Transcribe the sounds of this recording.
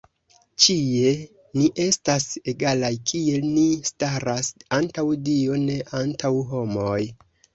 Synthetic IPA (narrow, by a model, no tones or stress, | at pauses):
t͡ʃie̞ | niʔe̞stase̞ɡalajkʰie̞lnistaɾasantawdio̞ne̞ʔantʰawɦo̞moj